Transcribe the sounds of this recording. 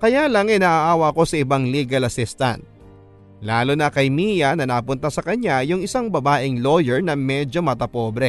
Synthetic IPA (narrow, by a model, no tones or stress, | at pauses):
kɐjalɐŋʔɛnɐʔaʔaːwɐɐko̞sɐʔɪbaŋliːɡɐlɐsist̪ɐ̰nt̪̚ | laːlonɐkɐjmijɐnɐnɐpʊnt̪asɐkɐɲajʊŋɪsaŋbɐbaːʔɪŋlo̞jɛɹnɐmɛd͡ʒo̞mɐt̪ɐpo̞ːbɾɛ